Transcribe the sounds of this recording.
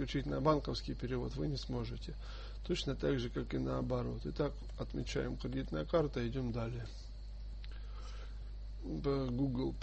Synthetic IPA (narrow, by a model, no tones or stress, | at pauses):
lʲʉt͡ɕitʲnɐbankəfskʲɪjpʲɪɾʲɪvo̞t̪vɨnʲɪsmo̞ʐɨtʲɪ | t̪ot͡ɕnət̪aɡʐɨkakɨnəːbɐɾo̞̰t̪ɪt̪ak | ɐt̪mʲɪt͡ɕæ̰jɪmkɾʲɪdʲit̪nəjəkart̪əɪdʲomd̪alʲɪjə | pəɡuɡlˠ